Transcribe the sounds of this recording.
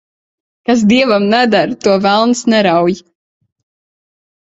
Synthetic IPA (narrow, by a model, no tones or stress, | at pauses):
kas̬d̪iɛvamnɛd̪aɾt̪uɔvælˠnsnɛɾawj